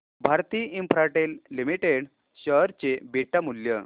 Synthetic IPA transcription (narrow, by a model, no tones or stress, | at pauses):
bʱaɾt̪iːimpɾaʈelːimiʈeɽ | ɕəɦɾt͡ɕebiʈamuljə